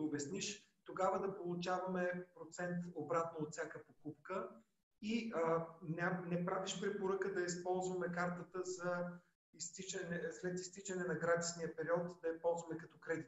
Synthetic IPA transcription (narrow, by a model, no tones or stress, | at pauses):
obɛsniʃ | t̪oɡavəd̪ɐpolˠʊt͡ʃavɐmɛpɾot̪sɛnt̪obɾat̪noot̪sʲjakəpokupkə | iənanɛpɾaviʃpɾɛpoɾəkəd̪ɐispɔlˠzvɐmɛkaɾt̪ət̪əzɐ | ist̪it͡ʃɐnɛslɛt̪ist̪it͡ʃɐnɛnɐɡɾad̪isnijəpɛɾiɔt̪d̪ɐispɔlˠzvɐmɛkɐt̪ɔkɾɛd̪it̪